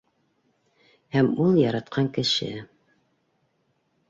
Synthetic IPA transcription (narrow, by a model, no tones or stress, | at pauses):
hæmulˠjɑɾɑt̪̚qʰɑŋkɘ̆ʃɘ̰